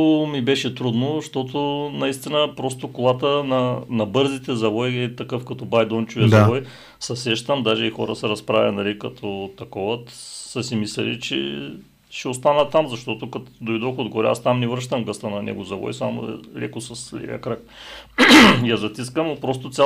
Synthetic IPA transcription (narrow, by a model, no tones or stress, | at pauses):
mibɛʃɛt̪ɾud̪noʃt̪ot̪onɐist̪inəpɾɔst̪okolˠat̪ənɐnɐbɤɾzit̪ɛzɐvɔjɛt̪ɐkɤfkɐt̪ɔbajd̪ɔnt͡ʃuvɛzɐvɔj | sɐsɛʃt̪əmd̪aʒɛixɔ̰ɾə̰sɛɾɐspɾavʲɐ̰nɐlikɐt̪ʰɔt̪ɐkɔvət̪səsimislɛ̰lḭt͡ʃɛ̰ | ʃɛost̪anət̪ːamzɐʃt̪ɔt̪okɐt̪d̪ojd̪ɔxod̪ɡɔɾɛa̰st̪amnɛvɾəʃt̪əmɡəst̪ənɐnɛ̰ɡʊzɐvɔ̰jsamo̰lɛ̰kosɐslɛ̰vḭɐkɾak̚ | jazɐt̪iskəmopɾɔst̪ot̪sʲa